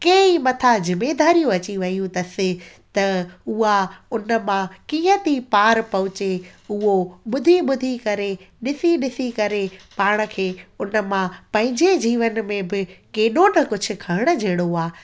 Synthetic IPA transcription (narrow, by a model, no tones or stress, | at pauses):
keimɐt̪ʰazɪmːeːd̪aːɾijũɐt͡ɕiʋɐijũt̪ɐsɪ | t̪ɐʊɦaʊnə̆mãkĩːə̃t̪ipaːɾpɐɦʊt͡ɕeʊɦoɓʊd̪ʱiɓʊd̪ʱikɐɾeɗɪsiɗɪsikɐɾepaːɽ̃ə̆kʰeːʊnə̆mãpɐ̃ɦɪ̃ɲd͡ʑed͡ʑiːʋənmẽbɪkeːɗonɐkʊd͡ʑʱʊ̆kʰɐɪɽ̃ə̆d͡ʑʱeːɽ̃oaː